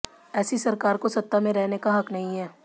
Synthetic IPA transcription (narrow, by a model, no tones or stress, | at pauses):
ɛːsisɐɾkaːɾkosɐt̪ːamẽɾɛɦnekaɦɐknɐɦĩɦɛː